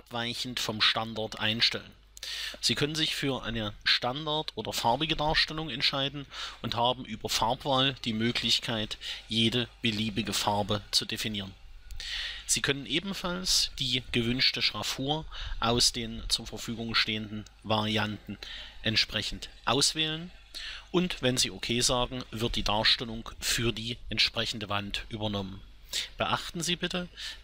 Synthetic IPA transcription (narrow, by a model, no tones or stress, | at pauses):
apv̥aɪçn̩tfɔmʃtandaɐtʔa̰ɪnʃtɛ̰lə̰n | z̥iːkʰœnənzɪçfyːɐʔa̰ɪnəʃtandaɐtʔoːdɐfaɐbɪɡədaːɐʃtɛlʊŋɛntʃaɪdn̩ʔʊnthaːbm̩ʔyːbɐfaɐpv̥aːld̥iːmøːkʰlɪçkʰaɪtjeːdəb̥əliːbɪɡəfaɐbət͡sudefiniːʁən | z̥iːkʰœnənʔeːbm̩falsd̥iːɡ̥əvʏnʃtəʃʁ̥afuːɐʔaʊsd̥eːnt͡suːɐfɛɐfyːɡʊŋʃteːəndn̩ | vaʁiantn̩ʔɛntʃpʁ̥ɛçn̩tʔaʊsv̥ɛːlən | ʔʊntvɛnziːʔokʰeːzaːɡŋ̩vɪɐt̚d̥iːdaːɐʃtɛlʊŋfyːɐdiːʔɛntʃpʁ̥ɛçn̩dəvantʔyːbɐnɔmən | b̥əʔaχtn̩ziːbɪtə